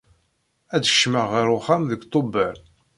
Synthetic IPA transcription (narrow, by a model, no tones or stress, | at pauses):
æd̪əʃməʁːəɾʊχæmðəɡt̪ˤːobːəɾ